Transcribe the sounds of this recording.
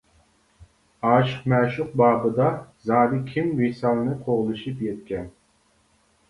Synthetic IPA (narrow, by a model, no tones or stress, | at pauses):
ɑːʃqmɛːʃʊq̚bɑːbɨd̪ɑzɑːɾɨkʲʰimwisɑlˠnɨqʰoʁlˠɨʃɨpjɛt̪kʲɛn